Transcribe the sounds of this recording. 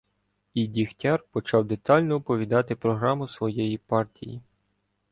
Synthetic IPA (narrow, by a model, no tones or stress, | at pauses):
idʲixtʲɑrpɔt͡ʃɑwd̪et̪ɑlʲnɔʊpɔʋʲid̪ɑt̪ɪpɾɔɦɾɑmʊsʋɔjɛjipɑrtʲḭjḭ